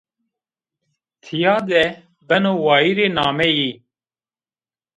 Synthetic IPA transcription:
t̪ʰɪjaːd̪ɛː | b̪ənoːwaːiːɾeːnaːmeːjiː

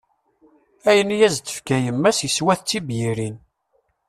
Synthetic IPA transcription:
æjənijæzt͡s̪ːə̥fkæjəmːæsjəswæθt͡sːibjiɾin

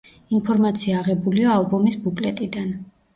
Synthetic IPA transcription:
inpʰɔɾmat̪sʰiaːʁɛbuliaːlˠbɔmisbukʼlɛt̪ʼid̪an

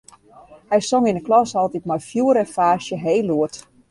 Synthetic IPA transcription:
hɛjsoŋinəklɔsɔlˠtit̚mɔjfjuəɾəfaːʃjəɦeːluət

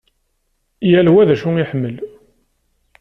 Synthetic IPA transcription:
jælwæðæʃuŋiħəmːəl

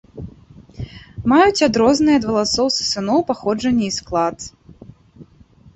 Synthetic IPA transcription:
majut͡sʲad̪ɾɔznɨjɐd̪vɐlˠasɔwsɨ̥sɨnɔwpaxɔd͡ʐɐnʲːɐisklˠat̪

